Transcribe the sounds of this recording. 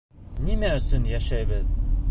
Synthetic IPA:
nimæɵ̆sɵnjæʃæjbɘð

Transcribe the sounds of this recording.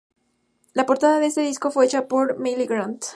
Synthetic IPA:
lapo̞ɾt̪aðaðe̞est̪e̞ðisko̞fwe̞et͡ʃapo̞ɾmeliɡɾant̪

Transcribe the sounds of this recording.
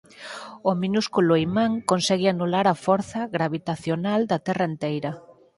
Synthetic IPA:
ominuskulʊimãŋkonsɛɣɪanulaɾɐfɔɾθɐɣɾaβit̪aθjonald̪ɐt̪ɛrɐent̪ejɾɐ

